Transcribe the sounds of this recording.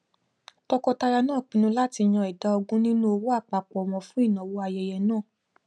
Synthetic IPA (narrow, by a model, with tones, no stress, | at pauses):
tɔ˧kɔ˧ta˧ɾa˧nãː˦˨k͡pĩ˨˦nũ˧˦la˦ti˧j̃ã˧i˨da˨˦ɔ˧ɡũ˦nĩ˦nũ˦o˧wo˦a˦˨k͡pa˨k͡pɔ˨mɔ̃˨fũ˨˦i˦˨nã˨wo˧a˧jɛ˧˨jɛ˧nãː˦˨